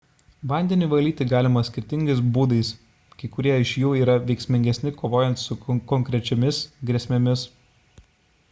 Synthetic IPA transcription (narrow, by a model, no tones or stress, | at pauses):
ʋɐˑnʲd̪ʲɛnʲuːʋɐlʲiːt̪ʲɪɡɑːlʲɪmɐsʲkʲɪɾʲt̪ʲɪŋʲɡʲɐɪsbuːd̪ɐɪs | kɐɪkʊɾʲiɛɪʃjuːiːɾɐʋʲɛɪksʲmʲɪŋʲɡʲɛsʲnʲɪkoːʋoːjɛnt̪sʊkɔŋʲkɾʲɛt͡ʃʲɛmʲɪsɡɾʲɛsʲmʲemʲɪs